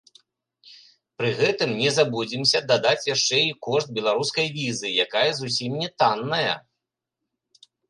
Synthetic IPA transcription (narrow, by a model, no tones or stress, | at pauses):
pɾɨɣɛt̪ɨmnʲɛzabud͡zʲimsʲɐd̪ad̪at͡sʲjaʂt͡ʂɛikɔʂt̪̚bʲɛlˠaɾuskɐjvʲizɨjakajɐzusʲimnʲɛt̪anːɐjɐ̰